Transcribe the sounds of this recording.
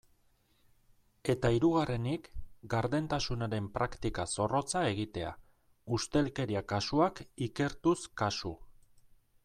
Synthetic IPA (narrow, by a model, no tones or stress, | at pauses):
e̞t̪aiɾuɣ̞are̞nikɡaɾðe̞nt̪asunaɾe̞mpɾakt̪ikaso̞ro̞t͡sae̞ɣit̪e̞a̰ | ust̪e̞lke̞ɾiakasuakike̞ɾt̪uskasu